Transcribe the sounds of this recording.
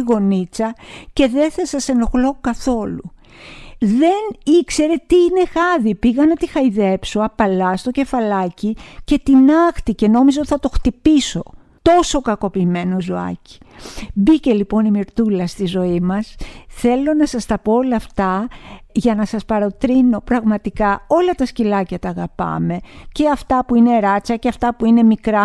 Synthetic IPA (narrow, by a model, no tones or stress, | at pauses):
ɣo̞nit͡sɐce̞ðe̞θɐsɐse̞no̞xlo̞kɐθo̞lṵ | ðe̞nikse̞ɾe̞t̪iine̞xɐðipiɣɐnɐt̪ixɐiðe̞psoɐpɐlɐst̪o̞ce̞fɐlɐcice̞t̪inɐxt̪ice̞no̞mizeot̪i̥θɐt̪o̞xt̪ipiso̞ | t̪o̞so̞kɐko̞piːme̞nozoɐ̰ci̥bice̞lipo̞nimiɾt̪ulɐst̪izo̞imɐsθe̞lo̞nɐsɐst̪ɐpoolɐft̪ɐʝɐnɐsɐspɐɾo̞t̪ɾino̞pɾɐɣmɐt̪ikɐo̞lɐt̪ɐscilɐcɐt̪ɐːɣɐpɐ̰me̞ce̞ɐft̪ɐpuine̞ɾɐt͡sɐceɐft̪ɐpuine̞mikɾɐ